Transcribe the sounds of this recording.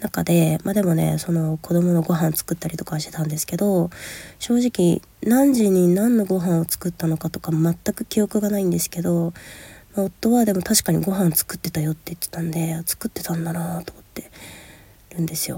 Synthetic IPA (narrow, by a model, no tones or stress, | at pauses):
nakad̪e̞mad̪e̞mo̞ne̞̰so̞no̞ko̞d̪o̞mo̞no̞ɡo̞ɦãnt͡sɨ̥kɯ̟t̪ːaɾʲit̪o̞kaɕt̪e̞t̪ãnd̪e̞sɨ̥ke̞d̪o̞ɕo̞ːʑikʲi | nãɲ̟d͡ʑiɲ̟ĩnãnːo̞ɡo̞ɦãɰ̃o̞t͡sɨ̥kɯ̟t̪ːano̞kat̪o̞kamat̪ːakɯ̟kʲijo̞kɯ̟ɡanaĩnd̪e̞sɨ̥ke̞d̪o̞mao̞t̪ːo̞βad̪e̞mo̞t̪aɕi̥kaɲ̟iɡo̞ɦãnt͡sɨ̥kɯ̟t̪ːe̞t̪ajo̞t̪ːe̞ɯ̥t̪ːet̪ãnd̪e̞at͡sɨ̥kɯ̟t̪ːe̞̥t̪ãnd̪anat̪o̞mo̞t̪ːe̞ | ɾɯ̟̃nd̪e̞sɨjo̞̰